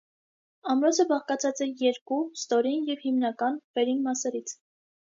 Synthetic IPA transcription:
ɑmɾɔt͡sʰəbɑʁkɑt͡sʰɑt͡sɛjɛɾkust̪ɔɾinjɛvhimnɑkɑnvɛɾinmɑsɛɾit͡sʰ

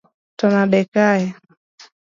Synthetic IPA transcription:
tɔnaɗɛkaɛ

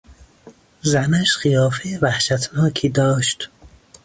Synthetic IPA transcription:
zænæʃɢijɒːfejvæhʃæt̪ʰnɒːkʰiːd̪ɒːʃt̪

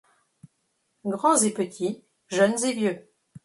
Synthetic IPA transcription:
ɡʁɑ̃zepət̪ʰi | ʒœnzevjø

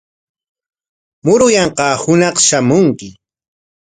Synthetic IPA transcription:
mʊɾʊjɑɴqɑːhʊnɑqʃamʊŋkɪ

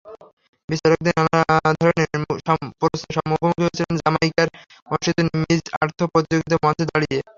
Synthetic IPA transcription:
biʃt̪aɾok̚d̪inanaad̪ʱɔɾonepoɾosnoʃɔmukʰomukʰiɦoejt͡ɕʰilend͡ʑamaikaɾ | ɔʃit̪onmid͡ʑa̰ɾt̪ʰopɾot̪id͡ʑoɡit̪omɔed̪aɽie

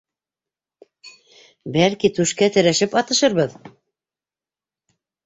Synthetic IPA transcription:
bælkit̪ʉʃkæt̪ɘ̆ɾæʃɘpɑt̪ɤ̆ʃɤɾβɤð

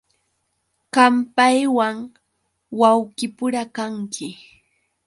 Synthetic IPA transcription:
kampajwaŋ | wawkɪpʊɾakaŋkʰɪ

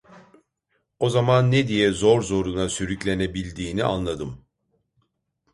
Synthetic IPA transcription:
o̞zamanːed̪ijɛzo̞ɾzo̞ɾunasyɾyclʲe̞ne̞bilʲd̪iːnḭʔa̰nlˠad̪ɯm

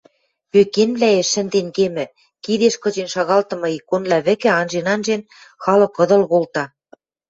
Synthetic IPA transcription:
pøkenβlæeʃɘ̆nd̪enkemɘ̆ | kid̪eʃkɤ̆t͡ɕenʃɑɣɑlt̪ɤ̆mɤ̆ikːonlæβɘ̆kɘ̆ɑnʒenɑnʒen | xɑlɤ̆kːɤ̆d̪ɤ̆lɣolt̪ɑ

